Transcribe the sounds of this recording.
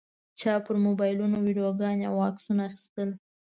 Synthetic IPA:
t͡ʃɑpəɾmobɑjlunowiɖijoɡɑnjawɑksunaːxi̥st̪əl

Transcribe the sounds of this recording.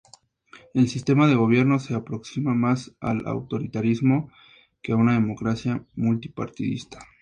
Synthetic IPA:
e̞lsist̪e̞maðe̞ɣo̞β̞je̞ɾno̞se̞apɾo̞ksimamasa̰la̰wt̪o̞ɾit̪aɾizmo̞ | keaunaðe̞mo̞kɾasjamult̪i̥pa̰ɾt̪iðḭst̪ḁ

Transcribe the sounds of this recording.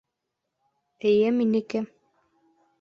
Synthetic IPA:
ɘ̆jɘminɘkɘ

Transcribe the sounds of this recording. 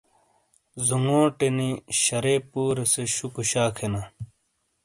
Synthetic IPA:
zuŋɡõːʈeniɕɐɾepuːɾeseɕukuɕaːkʰena

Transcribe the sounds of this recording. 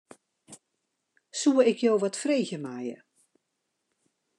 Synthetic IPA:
suəɪkʰjowʋɔtfreːxjəmajə̰

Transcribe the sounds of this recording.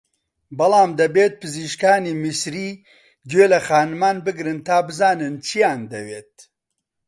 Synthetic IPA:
bɐlaːmd̪ɐbeːt̪̚pʰɨziʃkaːnimisɾiː | d͡ʒeːlɐxaːnmaːnbɨɡɾɨnt̪aːbɨzaːnɨnt͡ʃʰijaːnd̪ɐweːt̪̚

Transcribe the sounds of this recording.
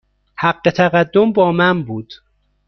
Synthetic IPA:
hæɢːe̞t̪ʰæɣæd̪ːombɒːmænbuːd̪̥

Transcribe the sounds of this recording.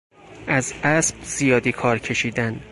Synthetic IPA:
ʔæzʔæsb̥z̥ijɒːd̪ikʰɒːɾcʰe̞ʃiːd̪æn

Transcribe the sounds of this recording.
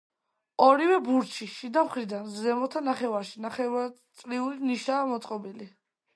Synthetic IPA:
ɔɾivɛbuɾt͡ʃʰiʃid̪amχɾid̪anzɛmɔt̪ʰanaχɛvaɾʃinaχɛvat̪sʼɾiuliniʃaːmɔt̪sʼqʼɔbili

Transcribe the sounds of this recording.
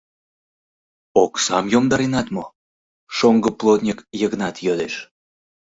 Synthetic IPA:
oksɑmjomd̪ɑɾinɑt̪mo | ʃoŋɡəplˠot̪nʲikjəɣənɑt̪jød̪eʃ

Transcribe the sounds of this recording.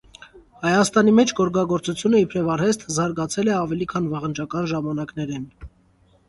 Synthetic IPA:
hɑjɑst̪ɑnimɛt͡ʃʰɡɔɾɡɑɡɔɾt͡sut͡sʰjunəipʰɾɛvɑɾhɛst̪ʰzɑɾɡɑt͡sʰɛlɛɑvɛlikʰɑnvɑʁənt͡ʃɑkɑnʒɑmɑnɑknɛɾɛn

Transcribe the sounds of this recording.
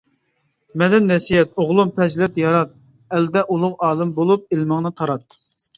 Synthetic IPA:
mɛd̪ɛnːɛsijɛt̪oʁlˠumpʰɛzlɛt̪jɑɾɑt̪̚ | ɛld̪ɛʔulˠʊqɑːlˠɨmbolˠup̚elmɨŋnɨt̪ʰɑɾɑt̪̚

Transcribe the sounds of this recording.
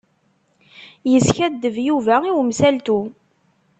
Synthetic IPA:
jəsçæd̪ːəvjuvæiwmsælt̪u

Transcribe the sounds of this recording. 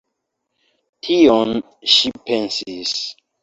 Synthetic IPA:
tʰiɔn | ʃipensiz

